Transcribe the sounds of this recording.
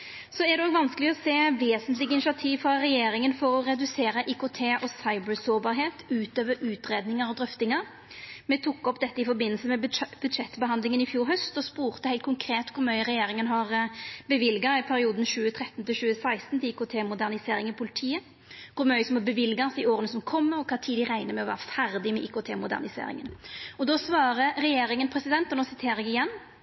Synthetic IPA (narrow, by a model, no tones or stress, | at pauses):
sɔɛæʁd̪ɛoːɡʋɑnskəlɪɔseːʋeːsənt̪lɪɡəɪnɪʃɪɑt̪ʰiːʋfɾɑɾɛjeːɾɪŋənfɔɾɔɾɛd̪ʉseːɾəʔikʊt̪ʰeːʔɔsɑɪbəɾsoːbɑːɾɦeːt̪ʉːt̪øːʋəɾʉːt̪ɾeːd̪nɪŋəɾɔd̪ʁʏft̪ɪŋəɾ | mɛt̪ʰukːɔpːd̪ɛt̪ːəɪfɔɾbɪnl̩səmɛbʉd̪ʂɛt̪ːbəɦɑnd̪lɪŋənɪfjuːɾɦœst̪ɔspuːʁt̪əhæɪlt̪kʰʊŋkʰɾeːt̪kʰʊɾmœʏʁɛjeːɾɪŋənɦɑʁbəʋɪlɡɑɪpʰæɾɪuːd̪n̩ʃʉːət̪ʰɾɛt̪ːnt̪ɪʃʉːəsæɪst̪n̩t̪ɪiːkʊt̪ʰeːmʊd̪æʁnɪseːɾɪŋɪpʰʊlɪt̪ʰiːə | kʰʊɾmœʏsɔmɑbəʋɪlɡɑsɪoːɾənəsɔmkʰɔmːəɔkʰɑːt̪ʰiːd̪ɪʁæɪnəmɛɔʋæ̰ːʁəfæʁd̪ɪmɛʔḭːkʊt̪ʰeːmʊd̪æ̰ʁnɪsḛːɾɪ̰ŋənɔd̪oːsʋɑːʁəʁɛjeːɾɪŋənpʰʁɛsɪd̪ɛnt̪ɔnoːsɪt̪ʰeːɾəɛɡɪjɛnː